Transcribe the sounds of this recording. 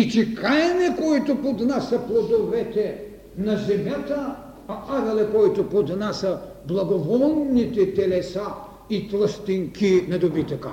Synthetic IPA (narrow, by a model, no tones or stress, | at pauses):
it͡ʃikajɛnɛkoit̪opod̪nasɐplˠod̪ovɛt̪ɛ | nɐzɛmjat̪ə | ɐaɾɐlɛkɔit̪opod̪nasə | blˠɐɡovɔnnit̪ɛt̪ɛlɛsa | it̪lˠəst̪iŋkinɐd̪obit̪əkə̰